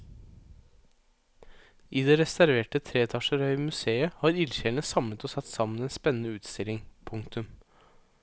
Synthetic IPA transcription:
ʔiːd̪ɛɾɛsæɾʋeːʈət̪ʰɾeːt̪ʰɑʂəɾœʏmʉseːəhɑːɾɪlçeɳəsɑmlət̪ɔsɑt̪ːsɑməneːnspɛnənəʉːt̪st̪ɪlɪŋpʰʊŋkt̪ʉm

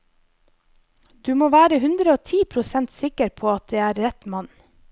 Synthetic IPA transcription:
d̪̥ʉːmoːʋæːɾəhʉnd̪ɾəoːt̪ʰiːpʰɾʊsɛnt̪sɪkəɾpʰoːɑt̪̚d̪eːæːɾɾɛt̪mɑn

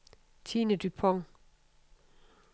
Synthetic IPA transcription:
t͡sʰiːnəd̥ypʰɔŋ

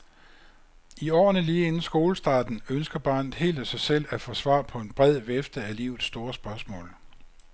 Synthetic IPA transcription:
iɒ̰ːnəliːenn̩sɡ̥o̝ːləsd̥ɑ̈ːd̥n̩ønsɡ̥ɐb̥ɑ̈ːnð̩ˠɦe̝̰ːld̥æsɑ̈ɪsel̰æfɒ̽sʋɑ̰̈ːpʰɒ̽e̝nb̥ʁɛð̰ˠʋefd̥əælḭʊð̩ˠsːd̥o̝ːɐsb̥ɶɐsmɔ̰̽ːl

